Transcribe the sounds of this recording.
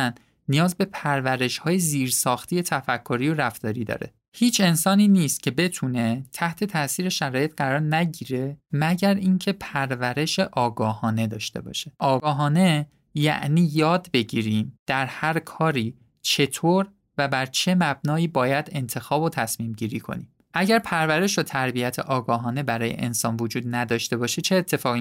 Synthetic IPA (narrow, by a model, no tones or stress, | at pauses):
n | nijɒːzbe̞pʰæɾvæɾe̞ʃhɒːje̞ziːɾsɒːxt̪ʰiːje̞t̪ʰæfækʰːoɾiːjoɾæft̪ɒːɾiːd̪ɒ̰ːɾe̞̰ | hiːt͡ʃʰe̞nsɒːniːniːst̪̚cʰe̞be̞t̪ʰune̞t̪ʰæht̪ʰe̞t̪ʰæʔsiːɾe̞ʃæɾɒːje̞t̪ɢæɾɒːɾnæɟiːɾe̞mæɟæɾʔiːŋcʰe̞pʰæɾvæɾe̞ʃe̞ʔɒːɡɒːhɒːne̞d̪ɒːʃt̪e̞̰bɒ̰ːʃe̥ʔɒːɡɒːɦɒːne̞ | jæ̰ʔniːjɒːd̪be̞ɟiːɾiːmd̪̥æɾhæɾkʰɒːɾiː | t͡ʃʰe̞t̪ʰoːɾ | væbæɾt͡ʃʰe̞mæb̚nɒːiːbɒːjæd̪e̞nt̪ʰe̞xɒːbot̪ʰæsmiːmɟiːɾiːkʰo̞̰nḭːm | ʔæɟæɾpʰæɾvæɾe̞ʃot̪ʰæɾbiæt̪ʰḛʔɒːɡɒːɦɒːne̞bæɾɒːje̞̰ʔḛnsɒːnvod͡ʒuːd̪̚næd̪ɒːʃt̪e̞bɒːʃe̞t͡ʃʰe̞ːt̪ʰːe̞fɒːɣi